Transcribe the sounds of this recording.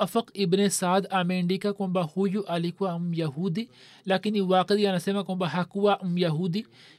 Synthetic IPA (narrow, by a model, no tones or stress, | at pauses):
ɐfɐqɪbnesaːd̪aːmeːɳɖikakõmbahujuʔalikuwaumjɐɦuːd̪i | laːkiniwaːqəd̪janɐsemakõmbaɦakuwaʔumjɐɦuːd̪i